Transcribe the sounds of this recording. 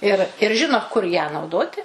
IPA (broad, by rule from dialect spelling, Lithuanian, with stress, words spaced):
ɪr ɪr ˈʒʲɪnoː kʊr jæː nɐʊˈdoːtʲɪ